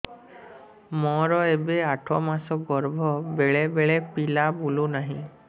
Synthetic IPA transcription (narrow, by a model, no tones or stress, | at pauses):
mɔɾɔebeaʈʰɔmasɔɡɔɾbʱɔbeɭebeɭepilabulunaɦḭ̃